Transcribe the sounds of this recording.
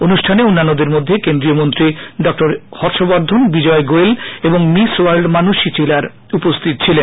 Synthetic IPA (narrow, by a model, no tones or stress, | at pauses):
onuʃʈʰaneonːanːod̪eɾmod̪ʱːekend̪ɾiomont̪ɾiɖɔk̚ʈoɾhɔɾʃobaɾd̪ʱonbid͡ʑɔeɡoeleboŋmisoaɾlɖmanuʃit͡ɕelaɾ | upost̪ʰit̪̚t͡ɕʰilen